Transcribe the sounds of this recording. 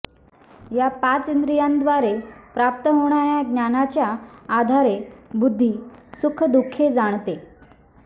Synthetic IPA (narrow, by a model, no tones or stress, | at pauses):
japat͡sind̪ɾijand̪ʋaɾepɾap̚t̪əɦoɽ̃aɾjaɡnanat͡ɕjaːd̪ʱaɾebud̪ʱːisukʰəd̪ukʰːed͡zaɽ̃t̪e